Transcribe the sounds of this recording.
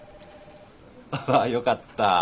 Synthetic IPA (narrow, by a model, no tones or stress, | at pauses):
ajokat̪ːa